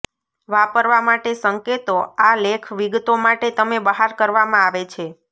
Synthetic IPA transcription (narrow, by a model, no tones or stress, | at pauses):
ʋapəɾʋamaʈesəŋket̪oalekʰʋiɡt̪omaʈet̪əmebəɦaɾkəɾʋamãaʋet͡ʃʰe